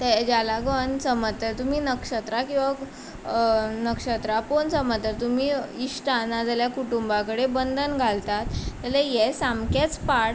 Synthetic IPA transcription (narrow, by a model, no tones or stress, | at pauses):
t̪ɛd͡ʑalaɡʋənsəmət̪ːəɾt̪um̤iːnəkʂət̪ɾakĩw̃ʋa | nəkʂət̪ɾaponsəmət̪ːəɾt̪umiːiʂʈanad͡zljakuʈumbakəɽebənd̪ʱənɡʱalt̪at̪ːəlɛjesamket͡spaɽ